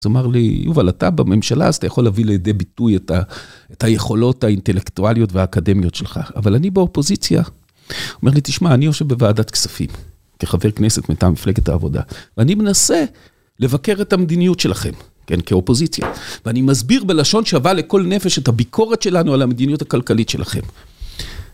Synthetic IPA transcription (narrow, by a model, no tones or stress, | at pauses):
zomaʁlḭjṵvalatabame̞mʃala̰zt̪ajaχo̞lːeavilejad̪e̞bitujetaethaje̞χo̞lo̞thaintelektualijo̞tveaːkade̞mjo̞tʃelχa̰avalanibeo̞po̞zit͡sja̰ | ome̞ʁlit̪iʃmaːnio̞ʃe̞vbevaːdat̪ksafḭm | keχave̞ʁkne̞se̞tmetamifle̞ɡet̪a̰ːvo̞̰da̰veanime̞nase̞ | le̞vake̞ʁetamed̪inijutʃe̞laχe̞̰m | kḛnkeo̞po̞zit͡sja̰veanimazbiʁbe̞laʃo̞nʃeavaleko̞lne̞fe̞ʃethabikʰo̞ʁetʃe̞lanualamed̪inijuthakalkalitʃe̞laχe̞̰m